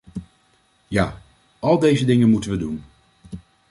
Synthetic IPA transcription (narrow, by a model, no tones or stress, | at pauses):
jaː | ɑlˠdejzədɪŋənmutənʋədun